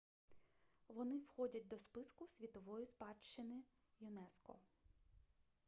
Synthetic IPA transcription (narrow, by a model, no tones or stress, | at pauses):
ʋɔnɪwxɔdʲɐt̚ʲd̪ɔspɪskʊsʲʋʲit̪ɔʋɔjispɑt͡ʃt͡ʃːɪnɪ | jʊnɛskɔ̰